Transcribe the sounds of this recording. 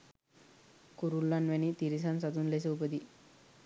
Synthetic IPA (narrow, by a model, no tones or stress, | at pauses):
kuɾulːanʋenit̪iɾis̬ansat̪uːnles̬eupəd̪i